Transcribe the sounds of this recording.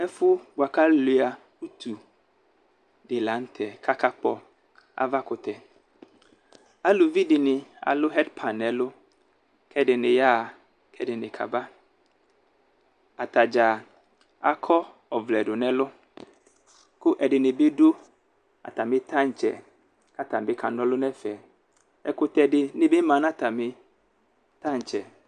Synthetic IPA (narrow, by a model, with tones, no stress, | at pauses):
ɛ˦fʊ˦ɡ͡bʊ˨a˨ka˦lʊ˨˦a˨ | u˦t̪ʰu˨ | dɪ˨la˨˦n̩˦t̪ʰɛ˨kʰa˦ka˦k͡pɔ˦ | a̰˦va˦kʊ˨t̪ɛ˨ | a˦lo˨vi˦dɪ˨nɪ̃˨a̰˨lʊ˦ɦɛ˦dpʰa˨nɛ˨lʊ˦ | kʰɛ˦dɪ˨nɪ̃˨ja˦˨ | kʰɛ˦dɪ˨nɪ̃˨kʰa̰˨ba˦ | a˨t̪a˨d͡ʒa˨ | a˨kʰɔ˦ | ɔ˨vlɛ˨dʊ˨nɛ˨lʊ˦ | kʊ˦ʔɛ˨dɪ˨nɪ̃˨bɪ˦dʊ˦ | a̰˨t̪a˨mɪ˦t̪ã˦ɲ̩˨t͡ʃɛ̰˨ | ka˦t̪a˨m˨bɪ˦kʰa˨ndɔ˦lʊ˦nɛ˦fɛ˨ | ɛ˨kʊ˦t̪ɛ˨dɪ˨nɪ̃˨bɪ˦mã˨˦nã˦˨t̪a˨mɪ˨˦ | t̪a˦ɲ˨t͡ʃɛ˨